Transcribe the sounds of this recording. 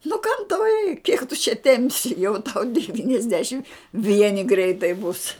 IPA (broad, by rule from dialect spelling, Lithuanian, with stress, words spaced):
nʊ kɐm tɐʊ rʲɛɪk kʲiɛk tʊ t͡ʃʲɛ ˈtʲɛmʲpʲsʲɪ jɛʊ tɐʊ dʲɛʋʲiːnʲɛzʲˈdʲæːʃʲɪm ˈʋʲiɛnʲɪ ˈɡrʲɛɪtɐɪ bʊs